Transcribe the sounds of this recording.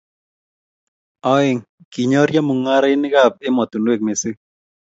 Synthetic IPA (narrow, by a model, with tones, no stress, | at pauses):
ɔ˦ɪ˦˨ŋ | ki˨ɲɔ˦ɾja˦mu˨ŋa˦ɾaɪ˦nɪ˦ɣa˦˨pɪ˦mɔ˨t̪u˨ndwe˦˨k̚me˨sɪ˦